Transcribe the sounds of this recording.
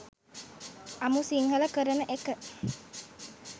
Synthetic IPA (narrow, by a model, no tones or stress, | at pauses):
ʔamusiŋɦələkəɾənəʔekəʔ